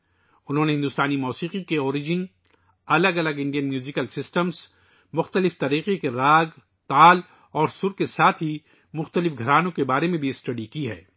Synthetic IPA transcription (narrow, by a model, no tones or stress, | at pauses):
ʊnɦõːneɦɪ̃nd̪ʊst̪aːnimɔːsiːqikeɔːɾɪd͡ʒɪn | ɐləɡɐləɡɪ̃ɳɖijənmjuːzɪkəlsɪsʈəmz | mʊxt̪əlɪft̪ɐɾiːqekeɾaːɡ | t̪aːl | ɔːɾsʊɾkesaːt̪ʰɦi | mʊxt̪əlɪfɡʱɐɾaːnõkebaːɾemẽbʱisʈɐɖikiɦɛ̰ː